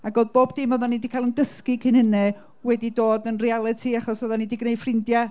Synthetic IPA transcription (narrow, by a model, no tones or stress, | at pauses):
aɡoːðboːbdimɔðanːidikʰajlˠəndəskikʰɪnɪnɛ | wɛdidoːdənrialˠɨtʰiaχɔsɔðanidiɡnej̥frɪndja